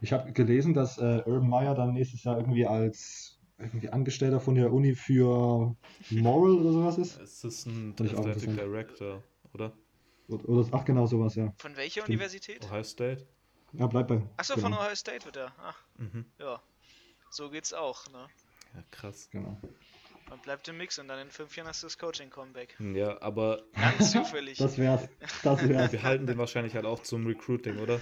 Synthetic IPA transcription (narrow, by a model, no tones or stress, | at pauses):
ʔɪçhaːbəɡəleːzn̩dasʔɛːʔœːbn̩maɪɐdanːɛːçstəsjaːʔɪɐɡŋ̩tv̥iːals | ʔɪɐɡŋ̩tv̥iːʔanɡəʃtɛltɐfɔndeːɐʔʊniːfyːɐ | mɔʁəlʔoːdɐzoːvasɪstsɪsnfandɪça̰ʊxɪntʁəsantʁɛktʰɐ | ʔoːdɐ | ʔoɐʔoːdɐʔaχɡ̥ənaʊzoːvasjaːfɔnvɛlçɐuivɛɐzitʰɛːthaɪstɛt | jaːblaɪb̥aɪʔaχz̥oːfɔnhaɪstɛɪtv̥ɪɐteːɐʔa̰χm̩hm̩jaː | z̥oːɡeːtsaʊxnə | jaːkʁ̥asɡ̥əna̰ʊ | manb̥laɪp̚tɪmɪksʊntd̥anɪnnfmfjaːnhasdudaskʰoʊt͡ʃɪŋkʰɔmbɛkjaːʔa̰ːbɐt͡suːfɛlɪçd̥asv̥ɛːʁəsd̥asvɛːʁəsiɐɦaltn̩deːnvaɐʃaɪnlɪçhaltaʊxt͡sʊmʁikʁ̥uːtɪŋʔoːɾɐ